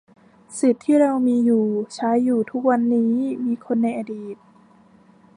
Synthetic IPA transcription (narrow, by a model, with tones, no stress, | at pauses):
si˨˩t̪ʰːiː˥˩ɾa˧wmiː˧juː˨˩t͡ɕʰaː˦˥jːuː˨˩t̪ʰu˦˥k̚wa˧nːiː˦˥miː˧kʰo˧nːa˧jʔa˧diː˨˩t̪̚